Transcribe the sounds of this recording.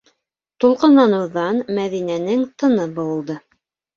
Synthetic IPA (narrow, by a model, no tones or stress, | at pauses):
t̪ulˠqɤ̆nɑnɤ̆wðɑnmæðinænɘŋt̪ɤ̆nɤbɤ̆wɤ̆lˠd̪ɤ